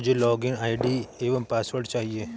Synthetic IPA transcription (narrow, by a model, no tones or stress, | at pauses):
d͡ʒelɔːɡɪnaːɪɖieːʋəmpaːsʋəɾʈt͡ʃaːɦieː